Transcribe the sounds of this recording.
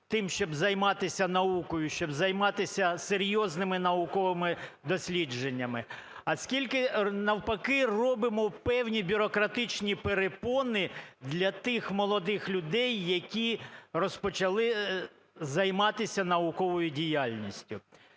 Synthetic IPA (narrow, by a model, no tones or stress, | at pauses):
t̪ɪmʃt͡ʃɔbzɐjmɑt̪ɪsʲɐnɐukɔjʊʃt͡ʃɔbzɐjmɑt̪ɪsʲɐseɾʲjɔznɪmɪnɐʊkɔʋɪmɪd̪ɔsʲlʲid͡ʒenʲːɐmɪ | ɐsʲkʲilʲkɪnɐwpɐkɪrɔbɪmɔpɛwnʲibʲʊɾɔkɾɐt̪ɪt͡ʃnʲipeɾepɔnɪd̪lʲɐt̪ɪxmɔlˠɔd̪ɪxlʲʊd̪ɛjːɐkʲirɔspɔt͡ʃɐlˠɪ | zɐjmɑt̪ɪsʲɐnɐʊkɔʋɔjʊdʲijalʲnʲisʲtʲʊ